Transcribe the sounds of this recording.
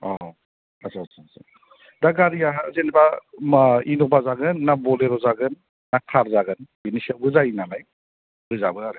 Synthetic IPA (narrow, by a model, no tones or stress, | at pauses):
ɔ | asasasa̰ | daɡaɾiaɦzenbaminɔbazaɡɯnːabɔleɾɔzaɡɯnː | akʰaɾzaɡɯnbinisiabɯzajinanaj | bɯza̰bɯaɾɯ